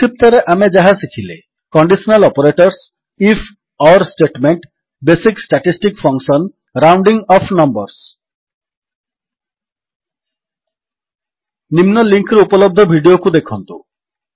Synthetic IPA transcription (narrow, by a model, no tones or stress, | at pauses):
t̪ip̚t̪ɔɾeʔamed͡ʒaɦasikʰile | kɔɳɖisɔnalɔpoɾeʈɔɾs | ifʰ | ɔɾsʈeʈmeɳʈ | besiksʈaʈisʈikfʰɔŋsɔn | ɾawɳɖiŋɔpʰnɔmbɔɾs | nimnɔliŋkɾupɔlob̚d̪ʱɔbʱiɖiokud̪ekʰɔnt̪u